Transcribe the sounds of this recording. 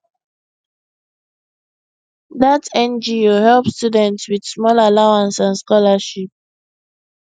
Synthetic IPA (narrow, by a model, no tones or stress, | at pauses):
ðatɛ̃nd͡ʒiihɛlˠpstudɛ̃ntswid̥smɔlalaʊãnsãnskɔlaʃip̚